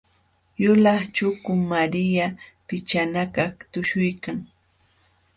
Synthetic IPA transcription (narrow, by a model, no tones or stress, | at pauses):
jʊlɑχt͡ʃʊkʊmaɾɪjapɪt͡ʃanakakt̪ʊʃʊjkaŋ